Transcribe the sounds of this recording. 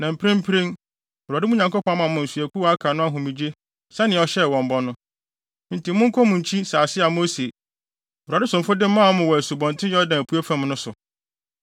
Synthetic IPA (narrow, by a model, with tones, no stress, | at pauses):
nã˨m̩˨pʰɪ˦ɪ̃˦m̩˦pʰɪ˦ɾĩ˦ŋ˨ | ɾa˨dɪ˦mʊ̃˦ɲã˨ŋkʊ˦pʰɔ̃˨˦a˦mã˨mʊ̃˨n̩˨su˨æ˨kʰu˦wa˦kʰa˨nʊ̃˦a˦ɦʊ̃˨mĩ˨d͡ʑe˦ | sɛ˦nɪ̃˨ɔ˨ɕɛ˦˨wɔ̃˨m˨bɔ˦nʊ̃˦ | n̩˦ti˨˦mʊ̃˦ŋ̩˦kʰɔ˦mʊ̃˨ɲ̩˨t͡ɕʰi˦saː˨sɪ˦a˨mo˦se˨ | a˨dɪ˦sʊ̃˨fʊ˦dɪ̃˦m̩˦mã˦ɔ˦mʊ̃˨wɔ˨æ˨su˨bɔ̃˨n˨tʰɪ̃˦jɛ˦ɔ˦dã˨æ˨pʰu˦æ˦fã˦mnʊ̃˦sʊ˨